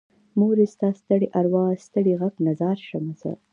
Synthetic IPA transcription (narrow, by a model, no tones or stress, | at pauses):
moɾest̪ɑst̪əɽiʔaɾwɑst̪əɽiɣaknazɑɾʃamasa̰